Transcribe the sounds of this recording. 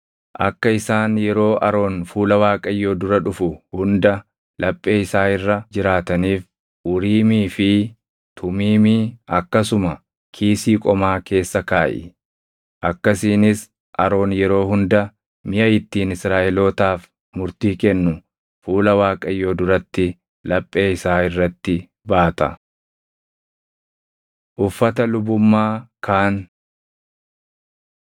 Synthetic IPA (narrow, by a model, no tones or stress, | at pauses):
ʔɐ̰kːɐɪsaːnjɛɾo̞ːʔɐɾo̞ːnfuːlɐwaːkʼɐjːoːd̪ʊɾɐᶑʊfʊhʊnd̪ɐ | lɐpʼːe̞ːɪsaːɪrːɐd͡ʒɪɾaːt̪ɐniːf | ʔʊɾiːmiːfɪ | t̪ʰʊmiːmiɐkːɐsʊmɐ | kʰiːsiːkʼɔmaːke̞ːsːɐkaːʔɪ̰ | ʔɐkːɐsiːnɪs | ʔɐɾo̞ːnjɛɾo̞ːɦʊnd̪ɐ | mɪjɐjɪt̪ːiːnɪsɾaːʔɛlo̞ːt̪aːf | mʊɾt̪iːkɛnːʊ | fuːlɐwaːkʼɐjːoːd̪ʊɾɐt̪ːɪ | lɐpʼːe̞ːɪsaːɪrːɐt̪ːɪ | baːt̪ɐ̰ | ʔʊfːɐt̪ɐlʊbʊmːaːkʰaːn